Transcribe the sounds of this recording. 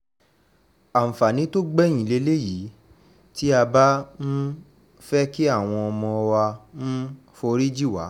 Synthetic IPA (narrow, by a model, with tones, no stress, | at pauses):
a˨m̩˨fa˨nĩ˨˦to˦ɡ͡bɛ˦˨j̃ĩ˨le˨˦le˦ji˨˦ | ti˦a˧ba˦ñ̩˦ | fɛ˦ki˦a˦˨w̃ɔ̃˧ɔ˧mɔ̃˧ɔ˧wa˧n̩˦ | fo˧ɾi˦d͡ʒi˦˨wa̰˨˦